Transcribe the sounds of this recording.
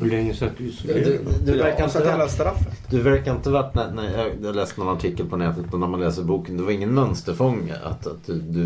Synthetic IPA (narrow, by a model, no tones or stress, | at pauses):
hʉlɛŋːəsat̪̚d̪ʉ | d̪ɵvæɾkːaɪnəalːast̪ɾafːəd̪ɵvæɾkaɾɪnt̪əvɑːt̪nænæjɑjːlɛːst̪nɔnaʈʰɪkːəlpʰɔnɛːt̪ət̪mɛnːæɾmanlɛːsəɾbuːkənd̪ɛvaɾɪŋːənmœnst̪əɾfɔŋːa̰a̰t̪at̪̚d̪ɵd̪ɵ